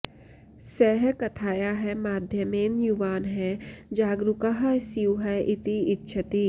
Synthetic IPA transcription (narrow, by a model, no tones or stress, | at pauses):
sɛɦkɐt̪ʰaːjaɦɛmaːd̪ʱjəmeːnjuʋaːnɦɛd͡ʒaːɡɾʊkaɦsiuɦɛʔɪt̪iɪtːʃʰət̪i